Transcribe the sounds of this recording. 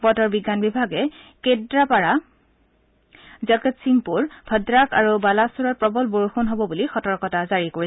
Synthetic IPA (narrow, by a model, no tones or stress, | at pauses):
bɔtɔɹbiɡːanbibʱaɡɛkedɹapaɹa | zɔketsiŋpuɹbʰʱədɹakaɹubalasuɹɔt̚pɹɔbɔlboɹuxunɦobɔbulixɔtɔɹkɔtazaɹikoɹi